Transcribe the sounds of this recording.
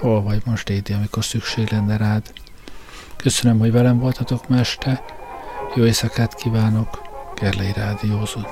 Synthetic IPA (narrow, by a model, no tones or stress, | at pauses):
holvɒɟmoʃd̪eːd̪iɒmiko̞rsykʃeːɡlɛnːɛɾaːd̪̥ | kø̞sønømho̞ɟvɛlɛɱvo̞lt̪ɒt̪o̞kmɛʃt̪ɛ | joːesɒkaːt̪kiːvaːno̞kɡɛrlɛjiɾaːd̪ijoːzon